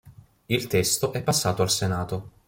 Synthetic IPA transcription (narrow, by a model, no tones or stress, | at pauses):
ilt̪ɛst̪oʔɛpːasːaːt̪oalsenaːt̪o